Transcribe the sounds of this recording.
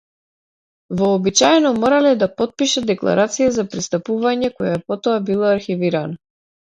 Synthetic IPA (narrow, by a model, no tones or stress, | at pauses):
vɔːbit͡ʃajɛnɔmɔɾalɛd̪apɔt̪̚piʃad̪ɛklˠa̰ɾʔat̪sijazapɾist̪apuvaɲɛkɔjapɔt̪ɔabilˠaaɾxiviɾana